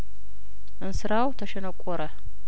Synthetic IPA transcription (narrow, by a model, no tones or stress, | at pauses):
ɨnsɨɾawtaʃɐnakʷʼɔɾa